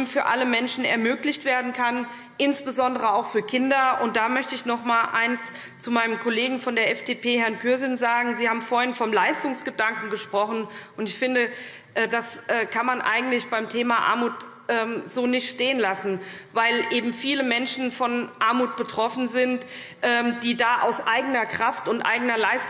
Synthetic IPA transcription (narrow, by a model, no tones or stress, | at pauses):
mfyːɐʔaləmɛnʃn̩ɛ̰ɐmøːklɪçtv̥eːɐdn̩kʰan | ʔɪnsb̥əzɔndəʁ̞əaʊxfyːɐkʰɪndɐʔʊnt̚d̥aːmœçtəɪçnɔχmaːlʔa̰ɪns | t͡sumaɪnəmkʰɔleːɡŋ̩fɔndeːɐʔɛfd̥eːpʰeːhɛɐnkʰyɐzɪnzaːɡŋ̩ziːhaːbm̩foːɐɪnfɔmlaɪstʊŋsɡ̥ədaŋkŋ̩ɡəʃpʁ̥ɔχn̩ʔʊntɪçfɪndə | ʔɛːdasʔɛːkʰanmanʔa̰ɪɡŋ̩tlɪçb̥aɪmtʰeːmaʔa̰ɐmuːt | ʔɛːmz̥oːnɪçtʃteːənlasn̩vaɪlʔeːbm̩fiːləmɛnʃn̩fɔnʔaɐmuːt̚b̥ətʁ̥ɔfn̩zɪnt | ʔɛːmd̥iːdaːʔa̰ʊsʔaɪɡənɐkʁ̥aftʊntʔa̰ɪɡənɐlaɪst